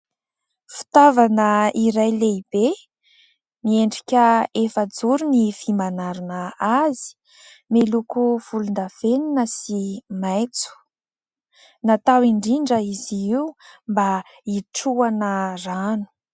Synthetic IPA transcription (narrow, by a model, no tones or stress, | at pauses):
fi̥t̪avanəiɾajleib̥e | mieɳɖ͡ʐikʲəefəd͡zuɾunifimanaɾunəazi̥ | melukuv̥ulund̪aveninəsimajt͡su̥ | nat̪awiɳɖ͡ʐiɳɖ͡ʐəiziiwmba | iʈ͡ʂuanəranu̥